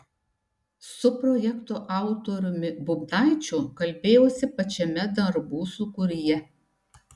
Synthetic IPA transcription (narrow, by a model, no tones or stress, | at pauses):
sʊpɾɔjɛkt̪oʔɑˑʊt̪ɔɾʲʊmʲɪbʊbd̪ɑˑɪt͡ʃʲʊkɐlʲbʲeːjoːsʲɪpɐt͡ʃʲɛmʲɛd̪ɐɾbuːsʊkʊɾʲɪjɛ